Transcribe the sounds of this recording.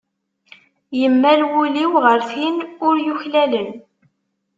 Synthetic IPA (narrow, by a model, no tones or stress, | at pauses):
jəmːælwʊliwʁəɾθinʊɾjʊçlælən